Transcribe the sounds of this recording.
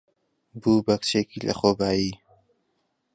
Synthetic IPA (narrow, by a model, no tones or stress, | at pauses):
buːbɐkt͡ʃeːkiːlɐ̰xoːbaːjiː